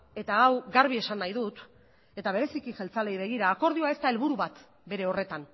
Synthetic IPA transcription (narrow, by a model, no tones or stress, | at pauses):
e̞t̪aɣawɡaɾβ̞ie̞sanːajðut̪ | e̞t̪aβ̞e̞ɾe̞sikixe̞lt͡sale̞jβ̞e̞ɣ̞iɾaːko̞ɾð̞ioae̞st̪ae̞lβuɾuβat̪ | be̞ɾe̞o̞re̞t̪an